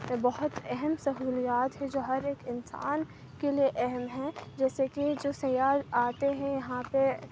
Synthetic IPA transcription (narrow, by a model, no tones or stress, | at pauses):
bɐɦʊt̪ɛɦɛmsɐɦuːlijaːt̪ɦɛ̃d͡ʒoːɦɐɾeːkɪnsa̰ːn | kelieʔɛɦɛmɦɛ̃d͡ʒɛːsekid͡ʒoːsɐjaːɾaːt̪eɦɛ̃jɐɦãpe